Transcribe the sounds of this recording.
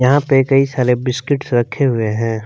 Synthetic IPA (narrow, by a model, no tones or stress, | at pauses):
jɐɦãpekɐisaːlebɪskɪʈsɾɐkʰːeɦʊeɦɛ̃ː